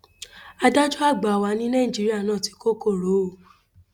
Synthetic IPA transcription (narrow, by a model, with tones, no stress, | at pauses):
a˧da˦d͡ʒo˦a˦˨ɡ͡ba˨wa˨˧˦nĩ˦nã˦i˨d͡ʒi˨˦ɾi˦a˦˨nãː˦˨ti̥˨˦ko˦ko˦˨ɾo˨˦˨